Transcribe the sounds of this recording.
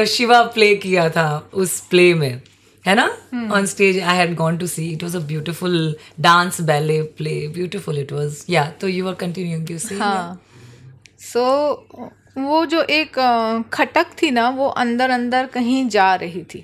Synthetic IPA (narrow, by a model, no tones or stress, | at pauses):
ʃɪʋapleːkijat̪ʰaʊspleːmẽ | hɛnaɔ̃ːnsʈeːd͡ʒaɪɦɛɖɡɔːnʈ̬usiːɪʈʋɔzəbjuːʈɪfʊlɖãːnsbɛːlepleːbjuːʈɪfʊlɪʈʋɔːzjat̪oːjuːʋəɾkə̃ɳʈɪ̃njuɪ̃ŋjuseɦã | soː | ʋoːd͡ʒoːʔeːkkʰːɐʈəkt̪ʰinaʋoʔɐ̃nd̪əɾɐ̃nd̪əɾkɐɦĩd͡ʒaːɾɐɦit̪ʰiː